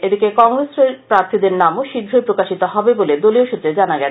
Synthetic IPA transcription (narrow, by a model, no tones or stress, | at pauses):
ed̪ikekɔŋɾeseɾpɾaɾt̪ʰid̪eɾnamoʃiɡ̪ʱɾoepɾokaʃit̪oɦɔbeboled̪olioʃut̪ːɾed͡ʑanaɡɛ